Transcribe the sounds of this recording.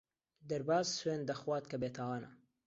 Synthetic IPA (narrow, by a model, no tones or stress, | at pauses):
d̪ɐɾbaːzsweːnd̪ɐxwaːt̪̚kɐbeːt̪ʰawaːnɐ̰